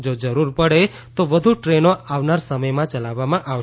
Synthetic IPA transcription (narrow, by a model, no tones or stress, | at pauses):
d͡ʒod͡ʒəɾuɾpəɽe | t̪oʋəd̪ʱuʈɾenoaʋnaɾsəməjmãt͡ʃəlaʋːamãʔaʋ